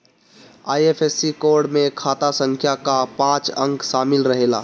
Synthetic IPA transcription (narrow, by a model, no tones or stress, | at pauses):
a̰ːjepʰesːikoɾɽmekʰat̪asəŋkʰjakapãt͡ʃəŋksamilɾəɦela̰